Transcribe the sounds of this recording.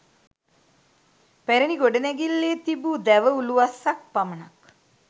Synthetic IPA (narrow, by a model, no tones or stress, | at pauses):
pæɾeniɡoɖənɛɡilːeːt̪ibud̪æʋəuluʋasak̚pamənak